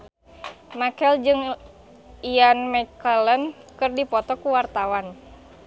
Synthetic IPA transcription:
makɛld͡ʒɨŋ | ijanmɛkələnkɨrdipɔt̪ɔkuwart̪awan

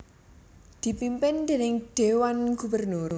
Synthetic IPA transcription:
d̪̥i̤pimpɪnd̪̥e̤nɪŋɖ̥e̤wanɡ̥ubərnur

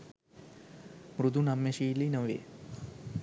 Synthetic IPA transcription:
mɾud̪unamːeʃiːlinəʋḛ

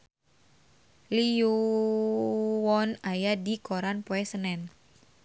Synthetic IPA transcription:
liu | wɔnajadikoɾanpoɛsənɛn

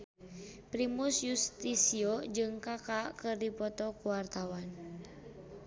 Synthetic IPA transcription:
pɾimusjust̪isiod͡ʒɨŋkakakɨrdipɔt̪ɔkuwart̪awan

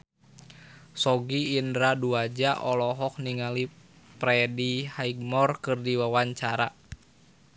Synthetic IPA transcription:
sɔɡiːndɾaduad͡ʒaʔɔlɔɦɔk̚niŋali | pɾɛdihaiɡ̚mɔrkɨrdiwawaɲt͡ʃaɾa

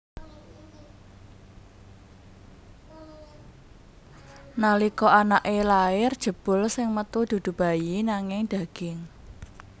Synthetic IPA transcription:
nalikɔanaʔelaɪrd̥ʒ̥ə̤b̥ʊ̤lsɪŋmət̪ud̪̥ṳd̪̥ṳb̥a̤jinaŋɪŋd̪̥ä̤ɡ̥ɪŋ

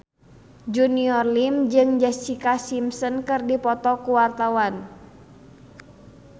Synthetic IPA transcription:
d͡ʒuniɔrlimd͡ʒɨŋd͡ʒɛssikasimsənkɨrdipɔt̪ɔkuwart̪awan

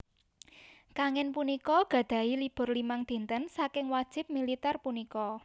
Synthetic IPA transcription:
kaŋɛnpunikɔɡ̥ä̤d̪̥a̤ilib̥ʊ̤rlimaŋd̪̥i̤nt̪ənsakɪŋwad̥ʒ̥ɪ̤p̚milit̪ɛrpunikɔ

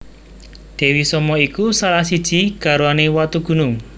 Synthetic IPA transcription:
d̪̥e̤wisɔmɔikusalahsid̥ʒ̥i̤ɡ̥a̤ɾuanewat̪uɡ̥ṳnʊŋ

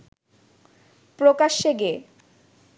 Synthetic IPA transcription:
pɾokaʃːeɡe

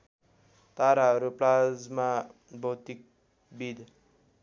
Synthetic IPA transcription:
t̪aɾaɦʌɾuplad͡zma | bʌwt̪ik̚ | bid̪

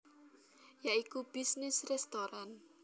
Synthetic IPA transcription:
jaikub̥isnɪsrɛst̪oɾan

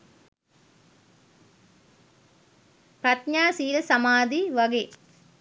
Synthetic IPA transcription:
pɾɐt̪ɲaːsiːlɐsɐmaːd̪iʋɐɡe

